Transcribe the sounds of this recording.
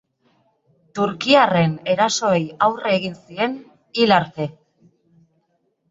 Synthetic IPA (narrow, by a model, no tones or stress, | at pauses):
t̪uɾkiare̞ne̞ɾaso̞ejawreːɣinsie̞n | ilaɾt̪e̞